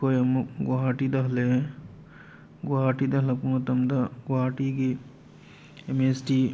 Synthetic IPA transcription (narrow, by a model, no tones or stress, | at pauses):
ojɐmuk̚ɡaʈid̪ɐɦle | ɡwaːʈid̪ɐɦlɐpumɐt̪ɐmd̪ɐɡwaːʈiːɡi | emesʈi